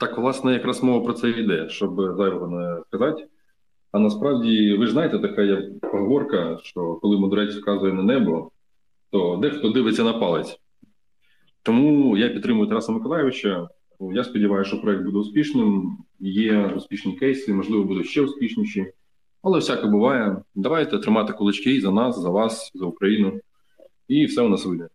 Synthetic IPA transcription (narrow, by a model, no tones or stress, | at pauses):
t̪ɑkʋlˠɑsnɛjɐkɾɑsmɔʋɐpɾɔt̪sɛid̪ɛʃt͡ʃɔbzɑjʲɔɦɔnɛskɐzɑtʲ | ɐnɐspɾɑwdʲiʋɪʐnɑjet̪ɛt̪ɐkajɐkpɔɦɔʋɔrkɐʃt͡ʃɔkɔlˠɪmɔd̪ʊɾɛt͡sʲkɑzʊjɛnɐnɛbʊlˠɔ | t̪ɔd̪ɛxt̪ɔd̪ɪʋɪt͡sʲːɐnɐpɑlˠɪt͡sʲ | t̪ɔmujapʲt̪ːɾɪmʊjʊt̪ɾɑsɐmɪkɔlˠɑjɪʋɪt͡ʃɐ | jaspɔdʲiʋɑjʊʃt͡ʃɔpɾɔɛk̚t̪bud̪ɛʊspʲiʃnɪmjɛʊsʲpʲiʃnʲikɛjsʲimɔʒlˠɪʋɔbud̪ʊʃt͡ʃɛʊspʲiʃnʲiʃi | ɐlˠɛwsʲakɔbʊʋɑjɛd̪ɐʋɑjt̪ɛt̪ɾɪmɑt̪ɪ̥kʊlˠɪt͡ʃkɪjzɐnɑszɐʋɑszɐʊkɾɐjinʊ | ifsɛʊnɑsʋɪd̪ʲnɛ